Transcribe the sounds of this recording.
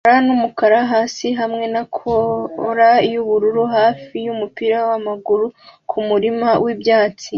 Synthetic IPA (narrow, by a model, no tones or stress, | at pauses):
ɾanumukaɾaɦaːsiɦamŋe̞nakʰoɾajuβuɾuɾuɦaːfijumupiːɾawamaɡuɾukʰumuɾimawibjaːt͡si